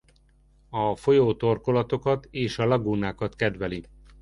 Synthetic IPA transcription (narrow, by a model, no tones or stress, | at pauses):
ɒfo̞joːt̪o̞rko̞lɒt̪o̞kɒt̪eːʃɒlɒɡunaːkɒt̪kɛd̪ʋɛli